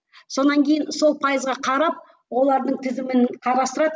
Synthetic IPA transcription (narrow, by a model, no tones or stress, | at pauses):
so̞nɑŋkʲe̞jɪnso̞lˠpʰɑjəzʁɑqʰɑɾɑp̚ | wo̞lˠɑɾd̪əɴt̪ʰɪzɪmɪnqʰɑɾɑst̪əɾɑd̪ə